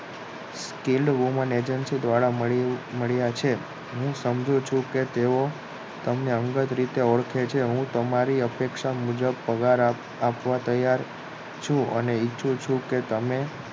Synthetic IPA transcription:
skilɖʋuməned͡ʒənsid̪ʋaɽaməməɭjat͡ʃʰe | ɦũsəmd͡ʒũt͡ʃʰũket̪eo | t̪əmneəŋɡət̪ɾit̪eəɭkʰet͡ʃʰeɦũt̪əmaɾiəpekʃamud͡ʒəbpəɡaɾ | apʋat̪əjaɾ | t͡ʃʰũʔə̰neit͡ʃʰũt͡ʃʰũket̪əme

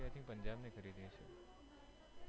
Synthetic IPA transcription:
jat̪ʰĩpəɲd͡ʒabnekʰəɾid̪ĩt͡ʃʰḛ

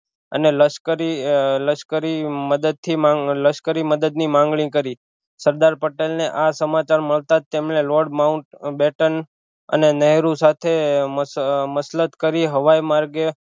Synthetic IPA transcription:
ə̰neləʃkəɾiləʃkəɾiməd̪əd̪̚t̪ʰimãləʃkəɾiməd̪əd̪nimãŋɡɭĩkəɾi | səɾd̪aɾpəʈelneʔasəmat͡ʃaɾməɭt̪at̪ːemneloɖmaũʈbeʈən | ə̰nenəɦɾũsat̪ʰe | məslət̪kəɾiɦəʋajmaɾɡe

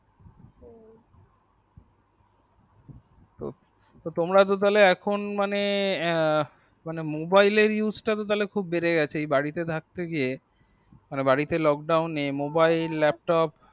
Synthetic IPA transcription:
t̪o̰ | t̪ot̪omɾat̪̬ot̪̬aleɛkʰonmane | manemobaileɾjuzʈat̪̬ot̪alekʰubːeɾeɡɛt͡ɕʰeejbaɽit̪et̪ʰak̚t̪eɡie | manebaɽit̪elɔk̚ɖawnːemobailːɛp̚ʈɔp

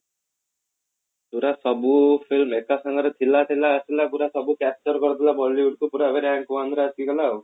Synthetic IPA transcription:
puɾasɔbufʰilmekasɔŋɡɔɾet̪ʰilat̪ʰilaːsilapuɾasɔbukɛp̚t͡ʃɔɾkɔɾt̪ʰilabɔɽliuɽkupuɾaʋeɾɛŋkuʋand̪ɾaskiɡɔla

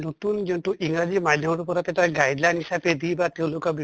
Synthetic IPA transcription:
not̪und͡ʒenʈuʔiŋɡɾad͡ʒimad̪ʱjɔmɔɾupɔɾat̪eʈaɡajdlajnisaped̪ibat̪ew̃lokɔbi

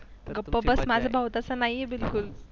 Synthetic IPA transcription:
ɡəpːəbəsmad͡zʱabʱawt̪at͡sanajebilkul

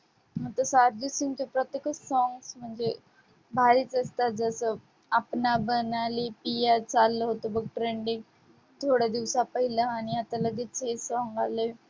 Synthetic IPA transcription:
m̤ət̪əsaɾd̪isiŋɡt͡ɕepɾət̪jekəsɔŋɡsm̤əɳd͡ze | bʱaɾiːt͡səst̪at̪̚d͡zəsə | apnabənalipijat͡salːəɦot̪obəɡ̚ʈɾeɳɖik | t̪ʰoɽjad̪iʋsapəɦilaaɽ̃iat̪aləɡit͡sesɔŋɡale

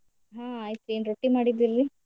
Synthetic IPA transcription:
ɦãːaːjt̪ueːnɾoʈːimaːɽid̪iɾli

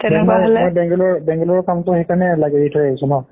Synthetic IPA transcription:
ɛɔjmɔjbɛŋɡɔlɔɹbɛ̃ŋɡɔlɔɹkamtʊxejkanɛlaɡɛɹitʰɔjaɦisunɔ

